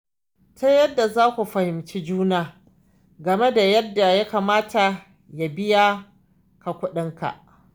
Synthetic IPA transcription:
ta˦jɐ˦dːa˨zaː˦kʷu˨ɸɐ˨hɪ˨mt͡ʃi˦d͡ʒuː˦naː˨ | ɡɐ˨me˦da˨jɐ˦dːa˨ja˦kaː˨maː˦ta˨ | ja˨bɪ˦ja˦ | ka˨kʷʊ˦ɗɪ˦ŋka̰˨ʔ

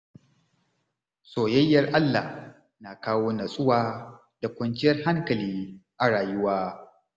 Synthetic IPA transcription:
soː˨jɐ˦jːɐ˨rʔa˦lːa̰˨h | na˨kaː˦woː˦nɐ˨sʼʊ˦waː˦ | d̥a˨kʷɐ˨nkɪ˦jɐ˦rɦa˦ŋkɐ˨liː˦ʔa˨ɽaː˨jʊ˦waː˦

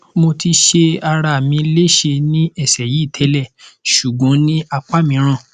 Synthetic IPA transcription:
mo˧ti˧ʃe˧a˧ɾa˧˨mĩ˧˦le˦ʃe˧nĩ˦ɛ˦˨sɛ˨ji˨˦˨tʰɛ˨˦lɛ˦˨ʃu˨ɡɔ̃˨˦nĩ˦a˧k͡pa˦mĩ˧˦ɾ̃ã˦˨

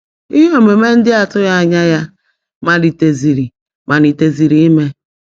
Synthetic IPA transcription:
i˦ɦo˦˨me˨me˦n̩˦dɪ˦a˨tʊ˦ja˦a˨ɲa˦ja˦ | ma˨di˨te˨zi˨ɾi˨ | ma˨ni˨te˨zi˨ɾi˨˦i˦me˦

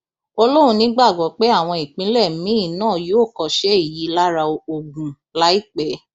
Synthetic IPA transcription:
o˧lo˦ɾ̃ũ˧nĩ˨˦ɡ͡ba˦˨ɡɔ˨˦k͡pe˦a˦˨w̃ɔ̃˧i˨k͡pĩ˨˦lɛ˦˨m̩˦mĩ˦i˦˨nãː˦˨joː˨˦˨kɔ˧ʃɛ˦i˦˨ji˨˦la˦ɾa˧o˨ɡũ˨ | la˦i˦k͡pɛ˨˦

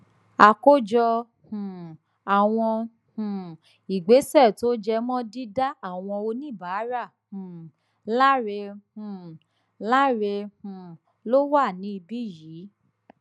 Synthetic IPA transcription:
a˨ko˦d͡ʒɔ˧ | hũ˨ | a˨w̃ɔ̃˧ | hũ˨ | i˨ɡ͡be˨˦sɛ˦˨to˦d͡ʒɛ˧mɔ̃˦di˦da˦a˦˨w̃ɔ̃˧o˧nĩ˦˨ba˨˦ɾa˦˨hũ˨ | la˦ɾe˧hũ˨ | la˦ɾe˧hũ˨ | lo˦wa˦˨nĩ˨˦i˧bi˦jiː˨˦

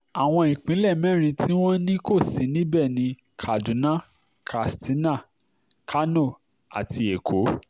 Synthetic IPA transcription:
a˨w̃ɔ̃˧ĩ˨k͡pĩ˨˦lɛ˦˨mɛ̃˦ɾ̃ĩ˧tʰi˦w̃ɔ̃˦nĩ˦ko˦˨si˨˦nĩ˦bɛ˦˨nĩ˧ | kʰa˨dũ˨˦nã˦ | kʰa˨sti˨˦nã˦˨ | kʰa˦no˦˨ | a̰˨ti˧e˨kʰo˨˦

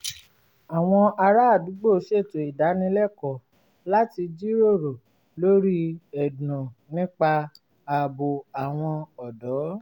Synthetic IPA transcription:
a˨w̃ɔ̃˧a˧ɾa˦a˦˨du˨˦ɡ͡bo˦˨˦ʃe˦˨to˨i˨da˨˦nĩ˧˦lɛ˦˨kɔ˨ | la˦ti˧d͡ʒi˦ɾo˦˨ɾo˨ | lo˦ɾi˦ɛ˨dnũ˨nĩ˦k͡pa˧ | a˧˨bo˨a˨w̃ɔ̃˧ɔ˨dɔ˨˦

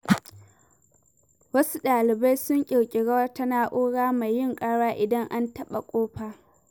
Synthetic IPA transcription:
wɐ˦su˦ɗaː˨lɪ˨ba˦jsʊ˦ŋkʲʼɪ˨ɽkʲʼɪ˨ɽɐ˦wɐ˦ta˦naː˦ʔuː˦ɽaː˦ma˨jːɪ˦ŋkʼaː˦ɽaː˦ʔɪ˨dɐ˦ŋʔa˦ntɐ˦ɓa˨kʷʼoː˦ɸaː˦

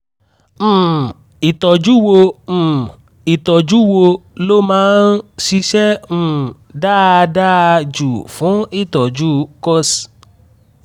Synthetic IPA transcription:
i˨tɔ˨d͡ʒu˦wõ˧˨ | i˨tɔ˨d͡ʒu˨˦wo˧lo˦mãː˦nʃi˧ʃɛ˦ũ˦˨ | da˦da˦˧d͡ʒu˨fũ˨˦i˦˨tɔ˨d͡ʒu˦kɔ˦s

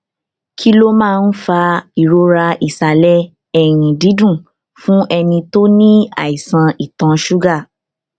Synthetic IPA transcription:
kʰi˦lo˦mãː˦˧n̩˦fa˧i˨ɾo˧ɾa˧ʔi˨sa˨lɛ˦ | ɛ˦˨ɾ̃ĩ˨di˨˦dũ˦˨ | fũ˦ʔɛ˧nĩ˧to˦nĩ˦a̰˦˨i˨sã˧i˨tã˨˧ʃu˦ɡa˦˨

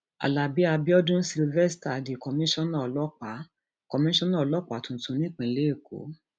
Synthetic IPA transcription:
a̰˨la˨bi˨˦a˧bi˦ɔ˦dũ˦si˧lvɛ˦sta˨a˨de˨kɔ˧mĩ˦ʃɔ̃˦nã˦˨ɔ˨lɔ˦k͡pa˨˦ | kɔ˧mĩ˦ʃɔ̃˦nã˦˨˧lɔ˦k͡pa˨˦tũ˨˧n̩˨˦tũ˧˦nĩ˦k͡pĩ˨˦le˦e˦˨ko̰˨˦

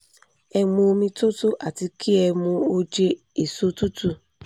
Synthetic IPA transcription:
ɛ˧mõ˧˦mĩ˧to˦tu˦ʔa̰˨ti˧kʰi˦ɛ˧mũ˧o˦d͡ʒe˧ | e˨so˧tu˦tu˦˨

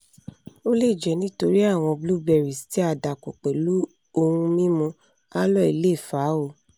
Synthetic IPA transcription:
o˦le˦˨d͡ʒɛ˨˦nĩ˦to˧ɾi˦a˦˨w̃ɔ̃˧blu˦bɛ˧˨ɾi˨sti˦a˧da˨ko˨k͡pɛ˨lu˦ | o˧hũ˧mĩ˦mũ˧ | a˦lɔ˦˨i˨le˦˨fa˨˦o˦˨

